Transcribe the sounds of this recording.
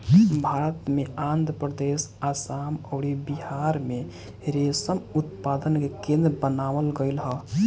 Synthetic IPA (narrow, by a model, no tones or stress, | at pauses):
bʱaɾət̪meãnd̪ʱɾəpɾəd̪esasamɔʊɾibiɦaɾme | ɾesəmut̪pad̪ənkekẽnd̪ɾbənaʋəlɡəɪlɦə